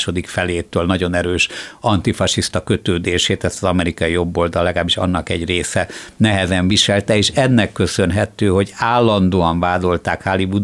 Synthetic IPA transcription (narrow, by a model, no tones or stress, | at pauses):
ʃo̞d̪ikfɛleːt̪øːlnɒɟo̞nɛɾøːʃɒnt̪ifɒʃiʃt̪ɒkøt̪øːd̪eːʃeːt̪ɛst̪ɒzɒmɛɾikɒijo̞bːo̞ld̪ɒlɛɡaːbːiʃɒ̰nːɒkɛɟreːsɛnɛɦɛzɛɱviʃɛlt̪ɛeːʃɛnːɛkːø̞sønɦɛt̪øːɦo̞ɟaːlːɒnd̪oːɒɱvaːd̪o̞lt̪aːkhalibud̪